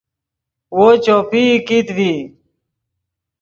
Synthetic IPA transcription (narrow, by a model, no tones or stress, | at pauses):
woːt͡ɕoːpiːkit̪ʋiː